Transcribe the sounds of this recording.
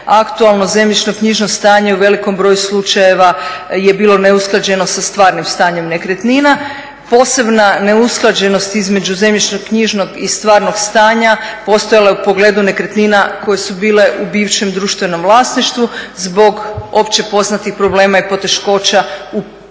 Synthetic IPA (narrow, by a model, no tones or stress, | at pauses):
akt̪ualˠno̞ze̞mʎit͡ʃnokɲiʒno̞st̪aːɲe̞uʋe̞liko̞mbɾo̞ːjuslˠut͡ʃaje̞ʋaje̞biːlˠo̞ne̞usklˠad͡ʑe̞no̞sast̪ʋaːɾnimst̪aːɲe̞mne̞kɾet̪nina | po̞ːse̞bnane̞usklˠad͡ʑe̞no̞st̪izme̞d͡ʑuzemʎit͡ʃnoɡkɲiʒnoɡist̪ʋaːɾno̞ɡst̪aːɲapo̞st̪ojalaeupo̞ɡle̞ːd̪une̞kɾet̪ninako̞je̞subiːle̞ʔubiːʋʃe̞md̪ɾuːʃt̪ʋe̞no̞mʋlˠaːsniʃt̪ʋuzbo̞ɡo̞pt͡ɕe̞po̞znat̪ixpɾo̞bleːmaipo̞t̪e̞ʃko̞ːt͡ɕau